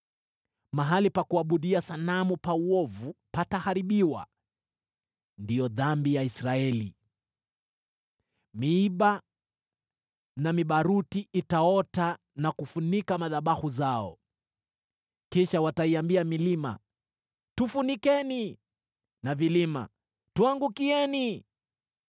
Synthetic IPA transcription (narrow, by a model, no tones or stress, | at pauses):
maɦalipakuaɓuɗiasanamupauɔvupatahaɾiɓiwa̰ | ndijɔðambijaisɾaɛlḭ | miiɓa | namiɓaɾutiʔitaɔta | nakufunikamaðaɓahuzaɔ̰ | kiʃawataiambiamilima̰ | tufunikɛni | navilima̰ | tuaŋɡukiɛni